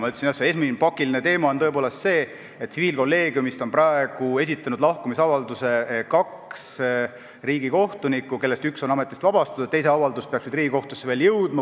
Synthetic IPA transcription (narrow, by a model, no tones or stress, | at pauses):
mɑyt̪ːeinjɑseesminpɑkːˑiline̞t̪e̞ːmɑont̪ɤepoːle̞st̪se̞ː | et̪ːˑsiviːlko̞lːe̞ːɡ̥jumist̪o̞nprɑeɡ̥ue̞s̬ʲit̪ːˑɑnud̪lɑhkumisɑvɑld̪use̞kɑks | riːɡ̥iko̞ht̪unikːˑuke̞lːe̞st̪ykso̞nɑme̞t̪ːˑist̪vɑb̥ɑst̪ɑd̪ut̪ːe̞js̬e̞ɑvɑld̪ust̪̚peɑksnid̪ɾriːɡ̥iko̞ht̪usːeve̞ːljɤwd̪̥mɑ